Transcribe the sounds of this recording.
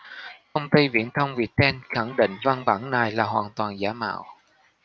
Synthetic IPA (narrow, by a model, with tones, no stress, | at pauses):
kə˧wŋ͡mt̪i˧vḭ˧˨ənt̪ʰə˧wŋ͡mvi˨˩ət̚ɗɛ˧nxa˧˩ŋɗḭ̈˧˨ŋ̟va˧nɓaː˧˩nnaː˨˩jlaː˨˩ɦwaː˨˩nt̪waː˨˩nzaː˧˦ma̰ː˧˨w